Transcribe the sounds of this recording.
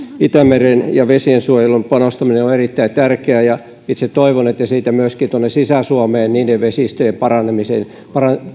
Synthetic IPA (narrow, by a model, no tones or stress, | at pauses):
it̪æmerenjɑʋesiensuojelumpɑnost̪ɑmineoerit̪ːæit̪ærkeæjɑ | it̪sett̪oiʋonet̪ːæsiːt̪æmyøskint̪uonːesisæsuɑmeːnniːdeʋʋesist̪øjempɑrɑnemisen | pɑrɑ